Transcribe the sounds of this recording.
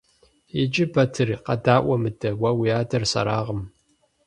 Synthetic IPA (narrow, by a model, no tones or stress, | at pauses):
ɪd͡ʒʼɪbɐtʰɨriqɐ̰daːʔʷɐmɨdɐwɐwijaːdɐrsɐ̰ɾaːʁəm